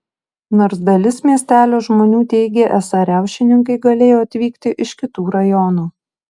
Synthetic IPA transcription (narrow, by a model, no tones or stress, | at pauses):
noːɾsd̪ɐlʲɪsmʲiɛsʲt̪ʲæːlʲoːʒmoːnʲuːt̪ʲɛɪɡʲeːʔɛsɐɾʲæˑʊʃʲɪnʲɪŋkɐɪɡɐlʲeːjoːɐt̪ʲʋʲiːkt̪ʲɪʔɪʃkʲɪt̪uːɾɐjɔnuː